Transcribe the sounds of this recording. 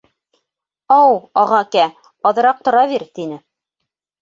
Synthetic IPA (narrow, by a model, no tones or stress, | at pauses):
ɑwɑʁɑkæ | ɑðɤ̆ɾɑq̚t̪ŏɾɑβiɾt̪inɘ